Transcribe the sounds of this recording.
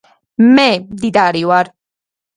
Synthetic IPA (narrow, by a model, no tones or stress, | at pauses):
mɛd̪id̪aɾiwaɾ